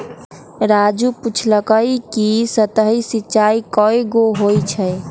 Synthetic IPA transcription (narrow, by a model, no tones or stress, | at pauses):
ɾad͡ʒuput͡ʃʰləkəjkisət̪əɦisitːt͡ʃaikɔjɡoɦojt͡ʃʰəj